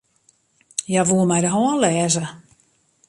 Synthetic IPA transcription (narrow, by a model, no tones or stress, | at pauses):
jaʋuəmajdəɦɔːnlɛːzə